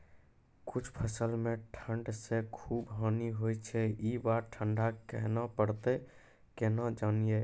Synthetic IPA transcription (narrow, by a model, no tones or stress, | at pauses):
kʊt͡ʃʰpʰəsəlmẽʈʰə̃ɳɖsekʰuːbɦɔːniɦojt͡ʃʰɛibaɾʈʰəɳɖakɛɦnapəɽt̪e | kenad͡ʒanije